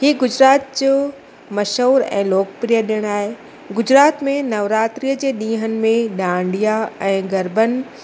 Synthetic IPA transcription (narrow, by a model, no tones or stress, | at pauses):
ɦiːɡʊd͡ʑɾaːt̪̚d͡ʑoː | mɐʃoːɾɛ̰̃ːloːkpɾijəɗijəɽ̃aːɦe | ɡʊd͡ʑɾaːt̪mẽnɐʋɾaːt̪ɾijəd͡ʑeːɗĩːɦənɪ̆mẽɗãːɳɖijaɛ̃ːɡɐɾbənɪ̆